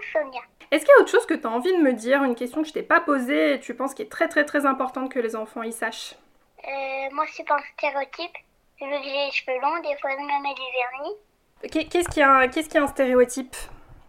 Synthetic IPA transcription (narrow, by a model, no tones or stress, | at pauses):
fømjɛ̃ | ɛskʲiljaot̪χəʃozkət̪yaɑ̃vid̪əməd̪iʁynkʲɛst̪jɔ̃kəʒət̪ɛpapozeːt̪ypɑ̃skʲiɛt̪χɛt̪ɛt̪χɛzɛ̃pɔʁt̪ɑ̃t̪̚kəlezɑ̃fɑ̃isaʃ | ømwasypɑ̃st̪eʁeot̪ʰip | vøkʒeʒvølɔ̃d̪efwãmɛ̃mɛlevɛʁni | kɛkʲɛskʲiakʲɛskʲiaɛ̃st̪eʁeɔt̪ip